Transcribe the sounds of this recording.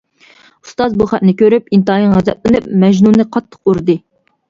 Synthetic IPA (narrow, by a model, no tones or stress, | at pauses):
u̥st̪ɑzbuχæt̪nɪkʲʰøɾypint̪ɨɑj̪ɨŋʁæzɛ̰t̪̚lɨnɨpmɛʒnunɨqʰɑt̪ʰːə̥quɾd̪ɨ